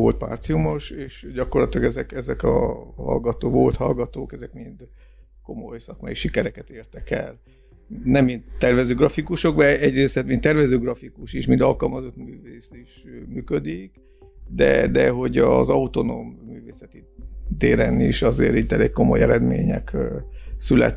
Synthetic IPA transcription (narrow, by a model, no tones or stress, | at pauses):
o̞lt̪̚pa̰ːrt̪sijumo̞ʃeːʃɟɒkorlɒt̪ilɒɡɛzɛkɛzɛkɒ̰hɒ̰lɡɒt̪oːkʋo̞lt̪hɒlɡɒt̪oːkɛzɛkmind̪ | ko̞mo̞jsɒkmɒjiʃikɛɾɛkɛt̪eːrt̪ɛkɛ̰l | nɛmːind̪t̪ɛrvɛzøːɡrɒfikuʃo̞ɡbɛɛɟreːsɛt̪mint̪ːɛrvɛzøːɡrɒfikuʃiʃmind̪ɒlkɒlmɒzo̞t̪myːveːsiʃmyːkød̪ik | d̪ɛ̰d̪ɛɦo̞ɟɒzɒut̪o̞no̰mːyːveːsɛt̪it̪eːɾɛnḭʃɒzḛːɾiɟt̪ɛleːkko̞mo̞jɛɾɛd̪mḛːɲɛ̰k | sylɛ̰t̪